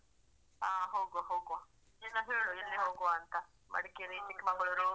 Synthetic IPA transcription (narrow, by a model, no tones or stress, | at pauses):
aːɦoːɡoɦoːɡo | enːɐɦeːɭuilːiɦoːɡoɐnt̪ɐ | mɐ̰ɽikeɾit͡ʃikːmɐɡɐɭɐɾu